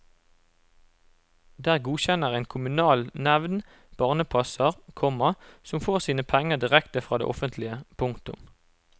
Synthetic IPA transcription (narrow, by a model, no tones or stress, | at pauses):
d̪æːʁɡuːçɛnəʁeːnkʰʊmʉnɑːlnɛʋn | b̥ɑːʁnəpʰɑsəʁkʰɔməsɔmfoːʁsiːnəpʰɛŋəʁd̪ɪʁɛkt̪əfʁɑːd̪ḛːʔɔfənt̪ʰlɪəpʰʊŋkt̪ʊ̰m